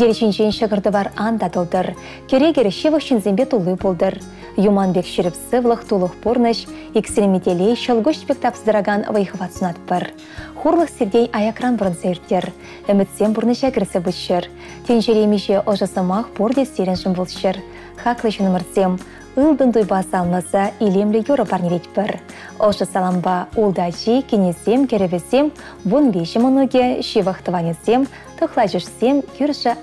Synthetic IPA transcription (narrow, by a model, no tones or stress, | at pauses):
d̪ʲelʲʃenʲʃenʃəʁəɾd̪əvɑɾɑnd̪ɑt̪ulˠd̪əɾ | kʲʰeɾʲeɡʲeɾʲeʃevəχʃinzʲembʲet̪ʰulˠːujbolˠd̪ər | jumɑnbʲekʃɪɾɪpsɨvlˠəχt̪ʰulˠəχbornəʃ | ekst̪ɾʲemʲit̪ʲelʲejʃəlˠɡʊʃspʲek̚t̪ɑpə̥zd̪əɾɑʁɑnvəjχəvɑt̪sənɑt̪ə̥pːəɾ | χurlˠəχsʲeɾd̪ʲejɑjɑkrɑnbʊɾənsejɪɾt̪ʲːe̞ɾ | ʏ̆mɪt̪sʲe̞mbʊɾnəʃæɡʲɪɾsʲɪbut̪ʃeɾ | t̪ʲʰenʲʃeɾʲemʲiʃeʔŏʒɤ̆sɤ̆mɑχpord̪ʲesʲeɾʲɪ̆nʒɘmʲbolˠɕə̆r | χɑklˠəɕinmə̆rsʲem | ɯlˠd̪ɤ̆nd̪ujbɑsɑlˠlˠɤsɑilʲemlʲɘ̆joɾɤ̆pɑrnʲeɾʲetʲpʲɘ̆r | ŏʒɤ̆sɑlˠɑmbɑulˠd̪ɑʑikʲenʲesʲemkʲɘ̆ɾʲɘ̆vʲɘ̆zʲem | vonbʲeʃɘ̆mɤ̆nuɡʲĕɕivəχt̪ə̆vɑnʲesʲem | t̪ʰŏχlˠɑʒŭʂsʲemkʲyrʲʃɘ̆